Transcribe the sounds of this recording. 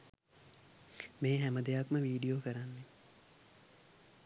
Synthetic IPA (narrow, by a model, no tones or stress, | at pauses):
meːɦæməd̪ejakməʋiːɖijoːkəɾanːe